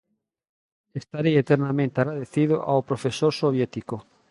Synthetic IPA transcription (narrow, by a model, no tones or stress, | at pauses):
est̪aɾeet̪eɾnamẽnt̪eaɣɾaðeθið̞oʔawpɾofesoɾsoβ̞jet̪iko